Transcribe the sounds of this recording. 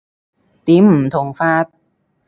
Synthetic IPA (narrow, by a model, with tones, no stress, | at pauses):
t̪i˧˦mt̪ʰo˨˧ŋfaː˦˥˩t̪̚